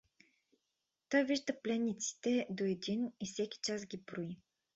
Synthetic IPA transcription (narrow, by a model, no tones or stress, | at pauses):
t̪ɔjviʒd̪əplɛnːit̪si̥t̪ɛd̪oɛd̪inifsɛkʲi̥t͡ʃasɡʲipɾoi